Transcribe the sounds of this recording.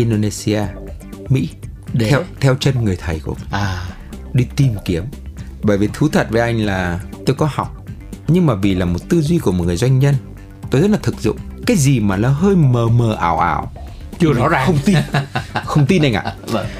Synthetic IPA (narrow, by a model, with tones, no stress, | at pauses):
ʔi˧nɗo˧ne˧si˧aː˧mḭ˧˥ɛ˧wt̪ʰɛ˧wt͡ɕə˧nŋɨ˨˩əjt̪ʰə˨˩jkṵ˧˩əm˨˩˨ | ɗi˧t̪i˧mki˨˦əmɓəː˧˩jvi˨˩t̪ʰɨ˨˦t̪ʰə˨˩t̚və˨˦jʔa˧jŋ̟laː˨˩t̪o˧jkɔ˨˦hɔ˨˩wk͡p̚ɲɨ˧ŋmaː˨˩vḭ˨˩laː˨˩mo˨˩t̚t̪ɨ˧zwi˧ku˧˩əm˨˩t̚ŋɨ˨˩əjzwa˧jŋ̟ɲə˧n | t̪o˧jzə˦˥t̚laː˨˩t̪ʰɨ˨˩k̚zʊ̰˧˨ŋ͡mkaː˨˦jzi˨˩maː˨˩laː˨˦ɦəː˧jməː˨˩məː˨˩ʔa̰ː˧˩wʔa̰ː˧˩w | i˧nɔ˨˦aː˨xə˧wŋ͡mt̪i˧xə˧wŋ͡mt̪i˧nʔa˧jŋʔa̰ː˧˨˧